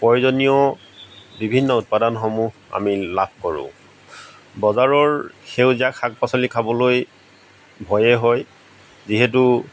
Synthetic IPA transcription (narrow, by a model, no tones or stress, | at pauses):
pɔjzɔnijɔ | bibʱinːɔut̚padanxɔmuɦa̰milab̚ʱkɔɹʊ̰̃ | bɔzaɹɔɹxeʊziakʰak̚pasɔlikʰabɔloj | bʱɔjɛɦɔj | ziɦɛt̬u